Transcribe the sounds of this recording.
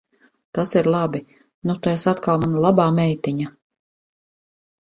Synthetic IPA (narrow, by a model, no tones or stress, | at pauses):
t̪asiɾlˠabi | nut̪aesat̪kalˠmanalˠabaːmɛjt̪iɲa